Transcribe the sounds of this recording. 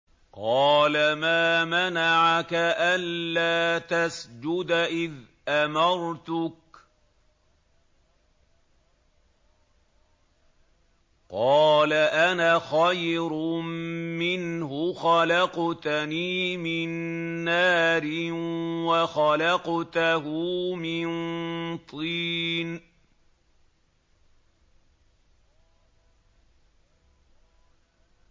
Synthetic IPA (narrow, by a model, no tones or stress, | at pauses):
qɑːlamaːmanaʕakaʔanlaːt̪asd͡ʒʊd̪ʔɪð | ʔamɑɾˤt̪ʊk̚ | qɑːlaʔanaːxajɾʊmɪnhʊxalɑqt̪aniːmɪnːaːɾɪnwaxalɑqt̪ahʊːmɪnt̪ˤiːn